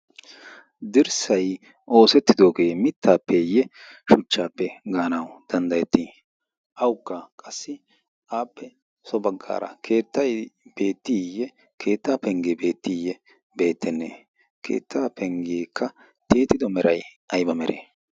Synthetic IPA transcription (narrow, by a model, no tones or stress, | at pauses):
d̪ɪɾsɐj | ʔo̞ːsɛt̪ːɪd̪o̞ːɡe̞ːmɪt̪ʰːaːpːɛjɛʃʊt͡ʃːaːpːɛɡaːnɐwd̪̥ɐnd̪ɐjɛt̪ːi | ʔɐwkːɐkʼɐsːɪ | ʔaːpːɛ | sɔbɐɡːa̰ːɾɐ̰kʰe̞ːt̪ːɐjb̥e̞ːt̪ːɪjɛ | kʰe̞ːt̪ːaːpɛŋɡeːbe̞ːt̪ːɪjɛ | be̞ːt̪ːɛnːeː | kʰḛːt̪ːaːpɛŋɡeːkːɐ | t̪eːt̪ɪd̪ɔmɛɾɐjʔɐjbɐmɛɾḛ